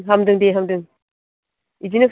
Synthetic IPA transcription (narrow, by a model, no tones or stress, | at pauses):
ɦamdɯŋdeɦamdɯŋ | id͡ʒinɯk